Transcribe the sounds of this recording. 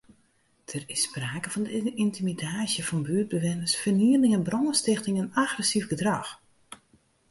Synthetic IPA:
d̥ərɪspraːkəvɔndəʔintimidaːsjəfɔnbyəd̚bəʋɪnəsfərniəlɪŋɛnbronəstɪxtɪŋənaɣrəsifɡədrɑx

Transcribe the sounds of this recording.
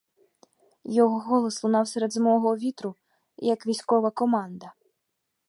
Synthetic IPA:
jɔɣɔɣɔlˠɐslˠunawsʲɛɾɛd̪zmɔɣɔvʲit̪ɾu | jɐkvʲisʲkɔvɐkɔmand̪ɐ

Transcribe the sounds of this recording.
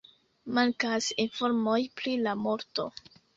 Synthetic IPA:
maŋkasinfo̞ɾmo̞jpɾilamo̞ɾto̞̰

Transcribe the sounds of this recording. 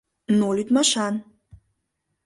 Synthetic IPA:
nolid̪maʃan

